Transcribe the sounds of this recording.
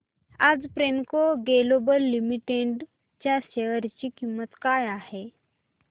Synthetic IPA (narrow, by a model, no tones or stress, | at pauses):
ad͡zpɾenkoɡelobəlːimiʈeɖ | t͡ɕjaɕeʋəɾt͡ɕiːkimːət̪kajahe